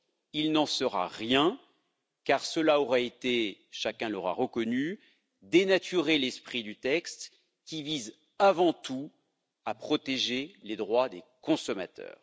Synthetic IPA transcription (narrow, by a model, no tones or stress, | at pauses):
ilnɑ̃səʁa̰ʁjɛ̃ | kaʁsəlaɔʁɛet̪eʃakʲɛ̃lɔʁa̰ʁəkɔny | d̪enat̪yʁelɛspχid̪yt̪ɛkst̪ | kʲiviz | avɑ̃t̪u | apχɔt̪eʒeled̪ʁwad̪ekɔ̃sɔma̰t̪ʰœ̰ːʁ